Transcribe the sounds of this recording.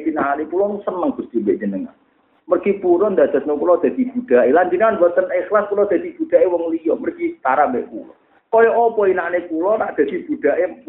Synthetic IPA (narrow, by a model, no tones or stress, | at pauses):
tinaanepulɔsənəŋb̥ʊ̤sd̪̥imbɛʔd͡ʒə̤nəŋa̰n | mərɡ̥ipuɾɔnd̪ad̪̥a̤snokulɔd̪̥a̤d̪̥ib̥ud̪̥a̤ʔeland͡ʒinanbuat̪ənexlaskulɔd̪̥a̤d̪̥i̤b̥ṳd̪̥a̤ʔewɔŋlijɔmərɡ̥ist̪aɾambɛʔpṵlɔ̰ | kɔjɔʔɔpɔinaʔnekulɔnaʔd̪̥a̤d̪̥i̤b̥ṳd̪̥a̤ʔe